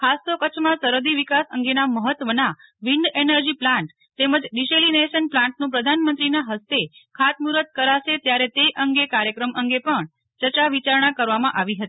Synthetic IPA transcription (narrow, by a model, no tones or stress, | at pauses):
kʰast̪okət͡ʃʰmãsəɾəd̪iʋikasəŋɡenaməɦət̪ʋəna | ʋiɳɖenəɾd͡ʒiplãɳʈ | t̪eməd͡ʒɖiʃelineʃənplãɳʈnũpɾəd̪ʱanmə̃nt̪ɾinaɦəst̪ekʰat̪̚muɾət̪̚kəɾaʃet̪jaɾet̪eʔəŋɡekaɾjəkɾəmʔəŋɡepəɳ | t͡ʃəɾt͡ʃaʋit͡ʃaɾɳakəɾʋamãʔaʋiɦət̪i